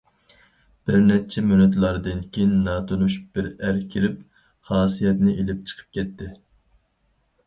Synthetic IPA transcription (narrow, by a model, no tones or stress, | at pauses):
b̥ɪɾnɛt͡ʃʰɛmynɛt̪lˠɑɾd̪ɨnkʲʰejinːɑːt̪ʰonuʃu̥p̚b̥ɪɾæɾkʲʰiɾɪp̚ | χɑːsijɛt̪nɪʔelɪp̚t͡ʃʰə̥qʰə̥p̚kʲʰɛt̪ʰːɪ